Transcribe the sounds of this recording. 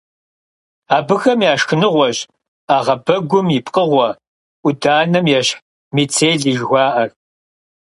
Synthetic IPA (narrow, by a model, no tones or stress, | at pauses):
aːbɨxɐmjaːʃxɨnɨʁʷɔʑ | aːʁɐbɐɡʷʊmipʰʼqʼəʁʷɔ | ʔʷʊdaːnɐmjɛɕħ | miːt͡sʰeːɮiːʒɣʷɑːʔɐr